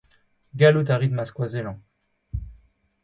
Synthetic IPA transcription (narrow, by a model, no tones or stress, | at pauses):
ɡalut̪aʁid̪maskwazelɑ̃